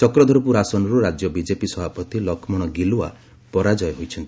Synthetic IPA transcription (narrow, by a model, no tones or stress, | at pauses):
t͡ʃɔkɾɔd̪ʱɔɾpuɾasɔnɔɾuɾad͡ʒjɔbid͡ʒepisɔbʱapɔt̪ilɔkʰmɔɽ̃ɔɡilua̰ | pɔɾad͡ʒɔjɔɦojt͡ʃʰɔnt̪i̥